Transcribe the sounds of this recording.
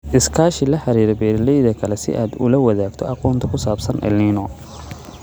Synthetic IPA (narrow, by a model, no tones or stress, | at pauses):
ʔɪskʰaːʃɪlɐħɑɾiːɾɐbɛːɾɪlɛjðɐkʰɐlɛsɪ̰ʔaːd̪ʊ̰lɐwɐðaːɡt̪ʰɔɑqɔːnt̪ʰɐkʰʊsaːbsɐnʔɛ̰linɔ